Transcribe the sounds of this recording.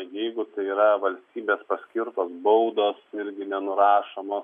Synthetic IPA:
jɛɪɡʊt̪ɐɪiːɾɐʋɐlʲsʲt̪ʲiːbʲeːspɐsʲkʲɪɾt̪oːsbɐʊd̪oːsɪɾʲɡʲɪnʲɛnʊɾɑːʃomoːs

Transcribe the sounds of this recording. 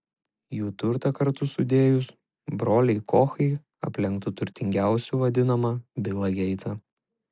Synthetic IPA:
juːt̪ʊɾt̪ɐkɐɾt̪ʊsʊd̪ʲeːjʊs | bɾoːlʲɛɪkɔːxɐɪ | ɐ̰pʲlʲɛŋkt̪ʊt̪ʊɾʲt̪ʲɪŋʲɡʲæˑʊsʲuʋɐd̪ʲɪnɐmɐbʲɪlˠɐɡʲɛɪt̪sɐ

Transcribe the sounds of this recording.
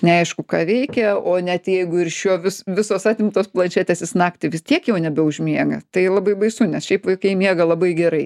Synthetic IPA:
nʲɛɐɪʃkʊkɑːʋʲɛɪkʲɛoːnʲɛt̪jɛɪɡʊɪrʃʲuɔʋʲɪsʋʲɪsoːsɑːt̪ʲɪmt̪oːsplˠɐnʲt͡ʃʲæːt̪ʲeːsʲɪsnɑːkt̪ʲɪʋʲɪst̪ʲiɛkjɛʊnʲɛbʲɛʊʒʲmʲiɛɡɐt̪ɐɪlˠɐbɐɪbɐɪsʊnʲɛsʃʲɛɪpʋɐɪkɐɪmʲiɛɡɐlˠɐbɐɪɡʲɛɾɐɪ

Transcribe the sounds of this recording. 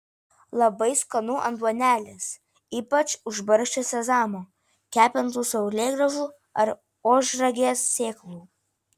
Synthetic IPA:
lˠɐbɐɪskonuʔɐ̰nd̪uɔnʲæːlʲɪs | iːpɐt͡ʃʊʒbɐɾʃʲt͡ʃʲesʲɛzɑːmoː | kʲæːpʲɛnt̪uːsɐʊlʲeːɡɾɐʒuː | ɐɾ | oːʒɾɐɡʲeːsːʲeːklˠuː

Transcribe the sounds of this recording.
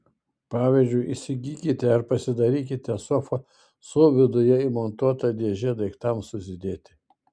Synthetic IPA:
pɑːʋʲiːzʲd͡ʒʲʊɪʔisʲɪɡʲiːkʲɪt̪ʲɛɐɾpɐsʲɪd̪ɐɾʲiːk̬ʲɪt̪ʲɛsɔfɐ | soːʋʲɪd̪ʊjɛiːmɔnt̪uɔt̪ɐd̪ʲeɛʒʲɛd̪ɐɪkt̪ɐmsʊsʲɪd̪ʲeːt̪ʲɪ

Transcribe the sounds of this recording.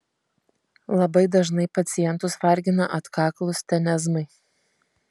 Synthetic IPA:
lˠɐbɐɪd̪ɐʒnɐɪpɐt̪sʲɪjɛnt̪ʊsʋɐɾʲɡʲɪnɐʔɐt̪kɑːklˠʊsʲt̪ʲɛnʲɛzmɐɪ

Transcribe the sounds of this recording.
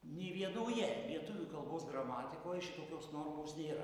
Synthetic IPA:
nʲeʋʲiɛnoːjɛlʲiɛt̪ʊʋʲukɐlˠboːsɡrɐmɑːt̪ʲɪkoːjʃʲɪt̪oːkʲoːsnoːrmoːsnʲeːɾɐ̰

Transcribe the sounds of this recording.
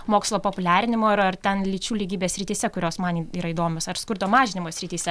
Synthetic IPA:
moːkslˠoːpoːpʊlʲæːɾʲɪnʲɪmoːɐɾɐrt̪ʲɛnlʲit͡ʃʲuːlʲiːɡʲiːbʲeːsʲɾʲɪt̪ʲiːsʲɛkʊɾʲoːsmɐniiːɾɐiːd̪oːmʲosɐɾskʊɾd̪oːmɑːʒʲɪnʲɪmoːsʲɾʲɪt̪ʲiːsʲɛ

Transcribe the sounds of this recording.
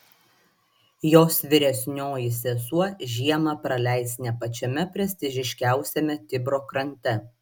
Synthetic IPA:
joːsʋʲɪɾʲɛsʲnʲoːjɪsʲeːsuɔʒʲiɛmɐpɾɐlʲæˑɪsʲnʲɛpɐt͡ʃʲɛmʲɛpʲɾʲɛsʲt̪ʲɪʒʲɪʃʲkʲæˑʊsʲɛmʲɛt̪ʲɪbɾoːkɾɐnʲt̪ʲɛ

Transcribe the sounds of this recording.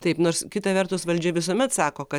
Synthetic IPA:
t̪ɐɪpnoːɾskʲɪt̪ɐʋʲɛrt̪ʊsʋɐlʲd͡ʒʲɛʋʲɪsuɔmʲɛt̪sɑːkoːkɐ

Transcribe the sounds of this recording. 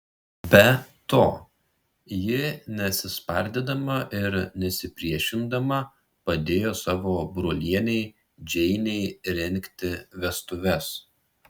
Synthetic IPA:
bʲɛt̪oː | jɪnʲɛt̪sʲɪspɐɾʲd̪ʲeːd̪ɐmɐʔɪɾnʲɛsʲɪpʲɾʲiɛʃʲɪnd̪ɐmɐ | pɐd̪ʲeːjoːsɑːʋoːbɾoːlʲiɛnʲɛɪ | d͡ʒʲɛɪnʲɛɪɾʲɛŋʲˑkt̪ʲɪʋʲɛst̪ʊʋʲɛs

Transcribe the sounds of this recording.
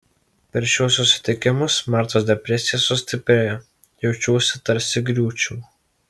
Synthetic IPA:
pʲɛɾʃʲuːsʊsʲɪ̥t̪ʲɪkʲɪmʊsmɑɾt̪oːsd̪ʲɛpʲɾʲɛsʲɪjɛsʊsʲt̪ʲɪpʲɾʲejo | jɛʊt͡ʃʲuːsʲɪt̪ɐɾʲsʲɪɡɾʲuːt͡ʃʲuː

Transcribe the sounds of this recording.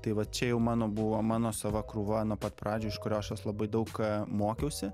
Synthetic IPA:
t̪ɐɪʋɐt̪̚t͡ʃʲɛjɛʊmɑːnoːbuʋomɑːnoːsɐʋɐkɾuːʋɐnuːpɐt̪pɾɑːd͡ʒʲoːɪʃkʊɾʲoːɐʃɐslˠɐbɐɪd̪ɐʊkmoːkʲɛʊsʲɪ

